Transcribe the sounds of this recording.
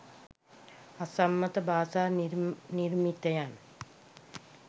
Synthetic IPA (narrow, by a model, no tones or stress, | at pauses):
ɐsɐmːɐt̪ɐbʱaːsaːnirmit̪ːɐjaːn